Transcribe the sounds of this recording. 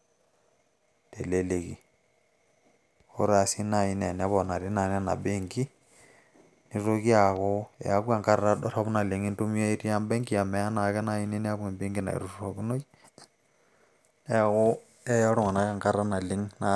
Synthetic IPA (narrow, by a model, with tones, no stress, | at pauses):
te˨le˨le˨kḭ˨ | xo̰˦ɾa˨si˦na˨i˦nɛ˨nɛ˦βɔ˨na˨ɾi˦na˨nɛ˦na̰˨be˦ŋɡi˦ | ni˨ɾo˦ki˦a˨ɣo˦ɛ̰˨a˨kwa˨ŋka˦ɾaɾa˦ɔɾa˦βu˦na˨li˨ŋi˦ntu˦mi˦o˦i˦ti˦a˦mbɛ˦ŋɡi˦a˨mɛ˨a˦na˨kɛ˦na˦i˦ni˦ni˦a˦βwa˨mbi˦ŋɡi˦na̰˨ḭ˨ɾu˦ɾu˨ro˨ku˦no˦i | ɛ˦ɣo˦ | ɛ˦ja˦ɾu˦ŋa˨na˨ka˦ŋka˦ɾɾa˦na˨li˦ŋna˨